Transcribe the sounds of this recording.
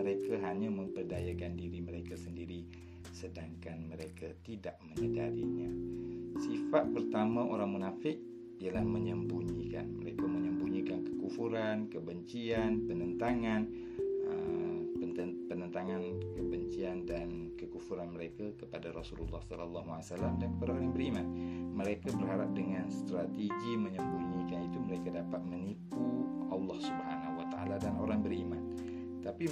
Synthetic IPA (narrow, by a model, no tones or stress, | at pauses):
əɾekaɦaɲamə̃mpərdajakandiɾiməɾekasəndiɾi | sədaŋkanməɾekat̪idaʔ̚məɲədaɾḭɲasifat̪̚pərt̪amaʔoɾaŋmunafɪk̚ | ialahməɲəmbuɲika̰nməɾekaməɲəmbuɲikankəkufuɾankəbəɲt͡ʃianpənənt̪aŋan | əpənpənənt̪aŋankəbəɲt͡ʃiandankəkufuɾanməɾekakəpadaɾɔsulṵlːɑhsɔlalːɑɦua̰salːamdankəpadaoɾaŋbəɾimanməɾekabərhaɾap̚dəŋanst̪ɾat̪eɡiməɲəmbuɲikanit̪uməɾekadapat̪̚mənipuʔɑlːɑhsubha̰nahuwat̪aa̰ladanʔo̰ɾaŋbəɾiman | t̪api